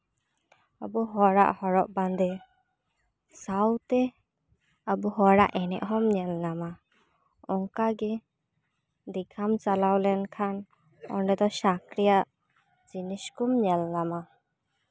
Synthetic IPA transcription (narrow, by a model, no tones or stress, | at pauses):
abuɦɔɾa̰ʔhɔɾɔʔband̪ɛ | sawt̪ɛ | abuɦɔɾaʔɛnɛ̰ʔɦɔmɲɛlnama | ɔŋkaɡɛ | d̪iɡʰamt͡ʃalawlɛnkʰan | ɔ̰ɳɖɛd̪ɔsakɾijaʔ | d͡ʒiniskumɲɛlːama